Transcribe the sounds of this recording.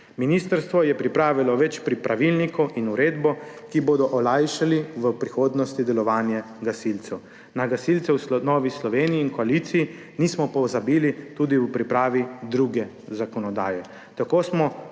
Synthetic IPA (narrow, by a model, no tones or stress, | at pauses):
minist̪əɾst̪ʋɔjɛpɾipɾaːʋilɔʋɛt͡ʃpɾipɾaʋilnikɔwʔinuɾeːd̪bɔkiboːd̪ɔʔɔlajʃaliʋəpɾixoːd̪nɔst̪id̪ɛlɔʋaːnja | ɡasilt̪sɛw | naɡasilt̪sɛwsnɔːʋislɔʋeːniiːnkɔalit̪siji | nismɔpɔzabiːlit̪uːd̪iwpɾipɾaːʋid̪ɾuɡɛ | zakɔnɔd̪aːjɛ | t̪akoːsmɔ